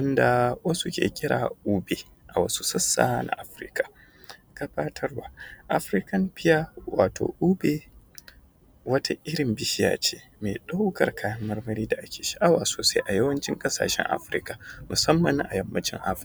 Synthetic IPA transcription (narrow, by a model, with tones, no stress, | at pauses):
wɐ˦nda˨wɐ˦su˦kʲḛː˨kʲʼɪ˦ɽaː˨ʔuː˦beː˨ | ʔa˨wɐ˦su̥˦sɐ˦sːa̰ː˨nʔa̰˨ʔa˨˦ɸɾɪ̰˦kḁ˨ | ka˦baː˦tʰɐ˦rwaː˨ʔa˨ɸɾɪ˦kɐ˦mɸɪ˦jaː˦waː˨to̰ː˨ʔuː˦be˦˨ | wɐ˦ta˦ʔɪ˦ɾɪ˨mbɪ˦ʃɪ˦ja̰ː˨t͡ʃeː˦ | me˨ɗa˦wkɐ̰˨rkaː˦jɐ˦mːɐ˦rmɐ˦ɾiː˦da˨ʔa˦kʲeː˨ʃi̥˦ʔa˦waː˨soː˨sa˦jʔa˨jɐ˦wɐ˦nt͡ʃɪ˦ŋkʼɐ˦sa̰ː˨ʃɛ̰˦ŋʔa̰˦ɸɾɪ̰˦ka˨mʊ˨sɐ˦mːɐ˨ŋʔa˨jɐ˨mːɐ˦t͡ʃɪ̰˦ŋʔa̰˦ɸ